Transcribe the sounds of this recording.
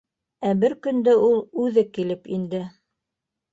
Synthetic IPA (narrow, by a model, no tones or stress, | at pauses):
æbɘɾkɵ̆nd̪ɘulˠʉðɘkilɘpind̪ɘ